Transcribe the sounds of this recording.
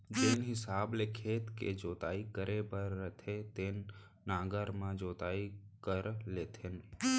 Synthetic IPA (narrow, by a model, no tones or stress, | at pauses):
d͡ʒeːnɦɪsaːblekʰeːt̪kḛd͡ʒoːt̪aːikəɾebəɾːət̪ʰet̪eːnː | ãːɡəɾmãd͡ʒoːt̪aːikəɾleːt̪ʰɪn